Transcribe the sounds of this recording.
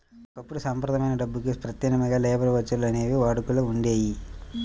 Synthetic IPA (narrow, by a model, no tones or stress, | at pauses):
ɔkɐpːuɽusɐmpɐɾd̪ɐmɐjnɐɖɐbːukipɾɐt̪jɐnɐmɐɡaːlɛːbɐɾuʋɐt͡ʃːɐlɐneːʋiʋaːɽukulɐuɳɖe̞ːji